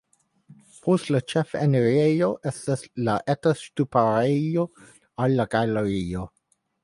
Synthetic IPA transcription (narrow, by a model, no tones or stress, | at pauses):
pʰostlat͡ʃefeneɾejoʔestaslaʔetastupaɾejo | alːaɡaleɾio